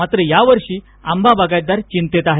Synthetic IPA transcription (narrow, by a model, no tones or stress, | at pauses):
at̪ɾəjaʋəɾʂiː | ambʱabaɡaj̪d̪aɾt͡ɕint̪et̪aɦe